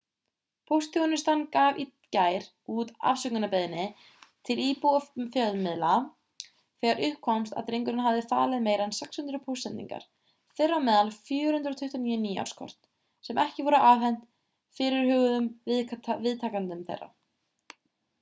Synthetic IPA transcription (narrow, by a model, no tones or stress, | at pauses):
pʰowst̪ʰːɔɣnɪst̪ankaːvit̪caːjɾ | ut̪a̰fsʏknʏnapeðɪnːɪ | t̪ʰɪliːpuafjœðmɪðla | θɛːɣaɾʔʏhpkʰːɔmst̪a̰ðt̪ɾejŋkʏɾɪnhavðɪfa̰ːlɪðmeːjɾɛnsɛkshʏnt̪ɾʏpʰowsɛnt̪ːḭŋka̰ɾ̥ | fɪrːawmɛːðalfjʏːɾhʏnt̪ɾɔt̪ʰʏht̪aniːʏniːja̰w̥rskʰɔ̰r̥t̪n̥ | sɛmʔɛhcɪvɔɾʏʔavɦɛn̥t̪ | fɪɾɪɾ̥hʏːɣʏðʏmvɪðvɪðt̪ʰaːkant̪ʏmθḛjrːa̰